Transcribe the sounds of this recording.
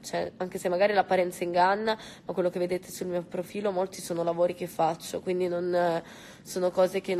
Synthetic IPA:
t͡ʃɛaŋkesemːaɡaːɾilapːaɾɛnt̪saiŋɡanːamakwelːok̟evːed̪eːt̪esulmiːopɾofiːlomolt̪isoːnolavoːɾikefːat͡ʃːokwind̪inon | soːnokɔːzek̟e

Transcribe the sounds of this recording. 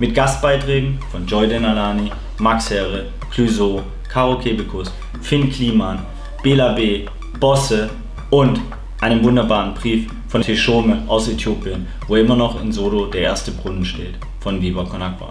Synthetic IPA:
mɪtɡ̥ast̚b̥aɪtʁ̥ɛːɡŋ̩fɔnd͡ʒɔʏdənalaːni | makshɛʁə | kʰlyzoː | kʰaʁokʰeːbəkʰʊs | fɪnkʰl̥iːman | b̥eːlabeː | b̥ɔsə | ʊnt | ʔaɪnəmvʊndɐbaːʁənbʁiːf | fɔntʰeʃoːməʔaʊsetʰjoːpjən | voːɪmɐnɔχɪ̰nzoːɾodeːɐʔḛːɐstəbʁʊnənʃteːt | fɔnviːbɐkʰɔnakv̥a̰

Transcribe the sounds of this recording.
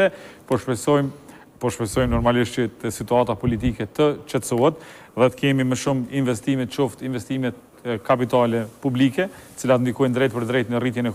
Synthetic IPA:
ɛpɔʃpɛsɔjm | pɔʃpɛsɔjmnɔɾmaliʃt̪t͡ʃət̪əsit̪uat̪apɔlit̪̬ikɛt̪ət͡ʃɛt̪suɦɛt̪ | ðɛt̪ə̥kɛmiməʃuminvɛst̪imɛt̪̚t͡ʃɔft̪invɛst̪imɛt̪̚ | kapit̪alɛpublikɛt̪ə̥t͡silat̪nd̪ikɔjnd̪ɾɛjt̪̚pəɾd̪ɾɛt̪nərit̪jɛnɛ

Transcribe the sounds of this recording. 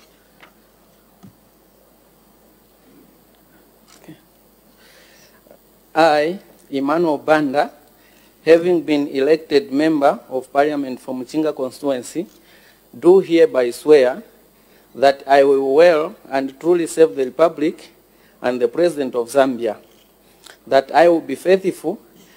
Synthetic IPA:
aj | imanwɛlˠbãnda | hævĩŋbĩnilɛk̚tɛd̚mɛ̃mbə˞ɔv̥paɹljamɛ̃ntfɹɔ̃mt͡ʃĩŋɡəkɔ̃nstuɛ̃nsi | duɦiəbaɪswɛ | ðɨtʰaɪwɪlwɛlˠə̃ntɹulˠisɛvðəɹipablik | ʔə̃nðəpɹɛzidɛ̃ntɔvzãmbia | ðətaɪwɪlbifeθifulˠ

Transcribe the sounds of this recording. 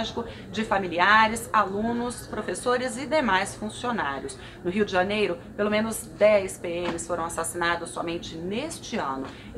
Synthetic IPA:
ʒɪkʊ | d͡ʒɪfamiliaɾɪsalũnʊspɾofesoɾɪzɪd̪emajsfũsionaɾjʊs | nʊɦiwd͡ʒɪʒɐanejɾʊpelomẽnʊz | d̪ɛjspeẽmɪsfoɾɐ̃w̃asasinad̪ʊsːɔ̰mẽnt͡ʃɪnest͡ʃɪɐ̃nʊ

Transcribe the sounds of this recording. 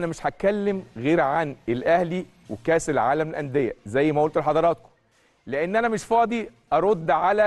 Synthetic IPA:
næmeʃħækːælːemɣeːɾʕanelʔæhli | wekæːselʕaːlæmelʔænd̪ejːæzæjːmæʔolt̪olħɑd̪ˤɑɾˤɑːt̪̚ko̥ | leʔenːʔænæmeʃfɑːd̪ˤiʔɑɾˤod̪ːʕalæ

